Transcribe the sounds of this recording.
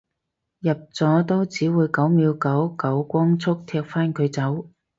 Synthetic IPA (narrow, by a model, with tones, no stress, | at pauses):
jɐ˨p̚t͡sɔː˨˥t̪o˥wt͡siː˨˥wuː˨˧jkɐ˨˥wmiː˨˧wkɐ˨˥wkɐ˨˥wkʷɔː˥ŋt͡sʰʊ˥k̚t̪ʰɛː˧k̚faː˥nkʰɵ˨˧ɥt͡sɐ˨˥w